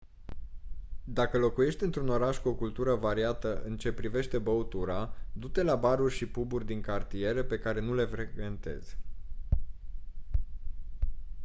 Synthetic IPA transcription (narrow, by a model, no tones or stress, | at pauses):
d̪akəlo̞kuje̞ʃt̪ʲɨnt̪ɾuno̞ɾaʃkuo̞kult̪uɾəvaɾiat̪əʔɨnt͡ʃe̞pɾive̞ʃt̪e̞bəut̪uɾad̪ut̪e̞labaɾurʲʃipuburʲd̪iŋkart̪ije̞ɾəpe̞kaɾe̞nule̞fɾekve̞nt̪e̞̰z̥